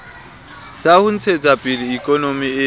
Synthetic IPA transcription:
sahun̩t͡sʰet͡sʼapʼiliːkʼɔnomie

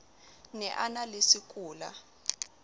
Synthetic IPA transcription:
nɛʔanalesikʼuːla̰

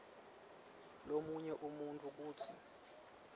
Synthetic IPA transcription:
lomuɲɛʔumuntʼuk̬uːtʰi

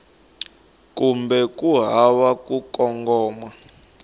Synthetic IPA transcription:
kumbɛk̬ʼuɦawakʼukɔŋɡɔːmwa

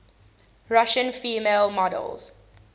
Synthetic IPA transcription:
ɹaʃə̃nfiːmeːlˠmɔdə̰lˠz̥

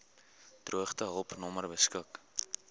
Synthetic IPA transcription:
truəχtəɦəlˠpnɔmərbəskək

